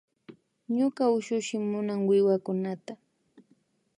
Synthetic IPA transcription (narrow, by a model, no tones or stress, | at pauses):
ɲʊkaʊʃʊʃɪmʊnaŋwɪwakʊnat̪a